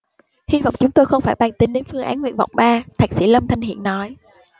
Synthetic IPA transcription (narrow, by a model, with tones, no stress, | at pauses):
hi˧va̰˧˨wŋ͡mt͡ɕʊ˨˦ŋ͡mt̪oː˧jxə˧wŋ͡mfaː˧˩jɓaː˧nt̪ï˨˦nɗe˨˦nfɨ˧əŋʔa̰ː˨˦nŋwḭ˧˨ənva̰˧˨wŋ͡mɓaː˧t̪ʰaː˨˩k̚si˧˩lə˧mt̪ʰa˧jŋ̟hḭ˧˨ənːɔ˨˦j